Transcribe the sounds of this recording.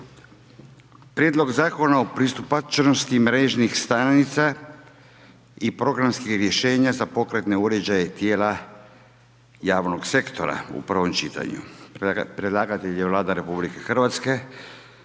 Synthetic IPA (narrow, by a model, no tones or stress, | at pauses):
pɾʲje̞ːd̪lo̞ɡzaːko̞naopɾist̪upat͡ʃno̞st̪imɾe̞ʒnixst̪anit̪sa | ipɾo̞ɡɾamskixɾje̞ʃe̞ːɲazapo̞kɾe̞t̪ne̞uɾe̞d͡ʑaje̞t̪je̞ːla | jaːʋno̞ɡse̞kt̪o̞̰ɾa̰ṵpr̩ʋo̞mt͡ʃit̪a̰ɲṵpɾed̪lˠaɡat̪eʎeʋlˠaːd̪aɾe̞publike̞xr̩ʋat̪ske̞